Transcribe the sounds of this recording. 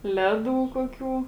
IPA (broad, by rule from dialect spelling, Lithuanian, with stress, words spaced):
ˈlʲæːˌduː ˈkuɔˌkʲuː